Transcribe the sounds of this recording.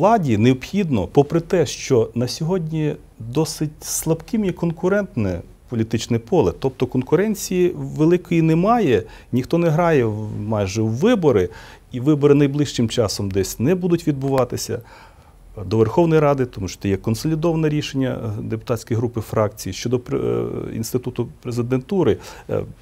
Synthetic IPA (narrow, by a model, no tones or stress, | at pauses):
lˠɑdʲineɔpxʲid̪nɔpɔpɾɪt̪ɛʃt͡ʃɔnɐsʲɔɦɔdʲnʲi | d̪ɔsɪtʲslˠɐbkɪmjikɔnkʊɾɛnt̪nɛ | pɔlʲit̪ɪt͡ʃnɛpɔlˠɛt̪ɔp̚t̪ɔkɔnkʊɾɛnʲt͡sʲijiʋelˠɪkɔjinɛmɑjɛ | nʲixt̪ɔnɛɦɾɑjɛmɑjʒɛwːɪbɔɾɪ | iʋɪbɔɾɪnɐjblˠɪʃt͡ʃɪmt͡ʃɑsɔmd̪ɛsʲnɛbud̪ʊtʲʋʲid̪̚bʊʋɑt̪ɪsʲɐ̰ | d̪ɔʋerxɔwnɔjɾɑd̪ɪt̪ɔmuʃɔ̥t̪ɛjɛkɔnsɔlʲid̪ɔʋɐnɛɾʲiʃenʲːɐ̰d̪epʊt̪ɑsʲkɔjɦɾupɪfɾɑkt͡sʲijiʃt͡ʃɔd̪ɔ̰ | ḭnst̪ɪt̪ut̪ʊpɾezɪd̪ent̪uɾɪ